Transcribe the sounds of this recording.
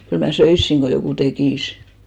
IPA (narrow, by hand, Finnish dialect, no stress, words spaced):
kyl mæ søisːiŋ ɡ̊o jokuˑ tekiˑs